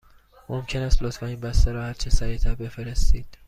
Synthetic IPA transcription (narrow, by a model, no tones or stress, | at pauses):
momcʰe̞næːst̪lot̪fæniːnbæst̪æɾɒːhæɾt͡ʃʰesæɾit̪ʰæɾbe̞feɾest̪iːd̪̥